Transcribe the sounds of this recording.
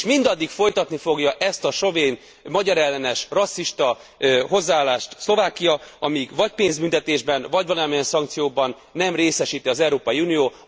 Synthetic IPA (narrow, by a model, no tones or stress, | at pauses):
ʃmind̪ɒd̪ːikfo̞jt̪ɒt̪nifo̞ɡjɒʔɛst̪ɒʃo̞veːn | mɒɟɒɾɛlːɛnɛʃrɒsːiʃt̪ɒ | ɦo̞zːaaːlːaːʃt̪slo̞vaːkijɒɒmiɡvɒcpeːnzbynt̪ɛt̪eːʒbɛnvɒɟvɒlɒɒmijɛnsɒŋkt̪sijoːbɒnːɛmreːsɛʃiːt̪iɒzɛuɾoːpɒjiuːnijoː